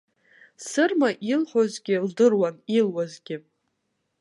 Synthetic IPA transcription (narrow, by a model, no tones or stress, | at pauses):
sɨrmaʔilħʷozɡʲɪldɨrwanilwazɡʲɪ